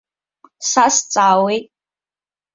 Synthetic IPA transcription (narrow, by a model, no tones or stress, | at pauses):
sast͡sʼaːwejtʼ